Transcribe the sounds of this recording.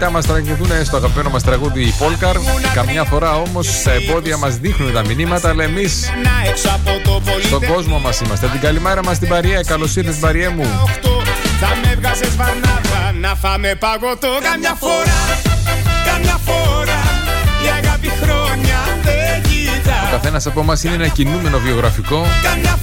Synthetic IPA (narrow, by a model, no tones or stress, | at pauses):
t̪ɐmɐst̪ɾɐɣiθunest̪oɐɣɐpmenomɐst̪ɾɐɣuðiːpo̞lkɐɾkɐmɲɐfo̞ɾɐo̞mo̞sst̪ɐebo̞ðiɐmɐzðixnunet̪ɐminimɐt̪ɐːlɐe̞mis | nɐeksɐpot̪opolsit̪o̞ɡo̞zmo̞mɐsimɐst̪et̪iɡɐlime̞ɾɐmɐs̬t̪ibɐɾiekɐlo̞siɾθet̪ibɐɾiemuxt̪oðɐmevɣɐzezvɐnɐɐnɐfɐmepɐɣot̪oɐmɲɐfoɾɐ | kɐmɲɐfoɾɐiɐɣɐpixɾoɲɐðei | t̪ɐokɐθe̞nɐsɐpo̞mɐsineenɐcinume̞no̞vio̞ɣɾɐfiko̞kɐmɲɐ